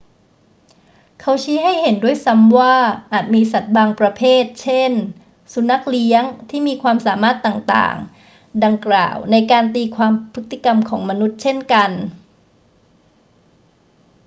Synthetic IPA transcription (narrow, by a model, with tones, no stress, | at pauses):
kʰa˧˥wt͡ɕʰiː˦˥ɦa˥˩jhe˩˦ndu˥˩əjsa˦˥mwaː˥˩ʔaː˨˩t̪̚miː˧sa˨˩t̪̚baː˧ŋpɾa˧pʰeː˥˩t̪̚t͡ɕʰe˥˩n | su˨˩˦na˦˥k̚li˦˥əŋt̪ʰiː˥˩miː˧kʰwaː˧msaː˩˦maː˥˩t̪ːaː˨˩ŋt̪a̰ː˨˩ŋ | da˧ŋkla̰ː˨˩wna˧jkaː˧nt̪iː˧kʰwaː˧mpʰɯ˦˥t̪̚ʰi˧˥˩ka˧mkʰɔː˩˦ŋma˧nu˦˥t̪̚t͡ɕʰe˥˩nka˧n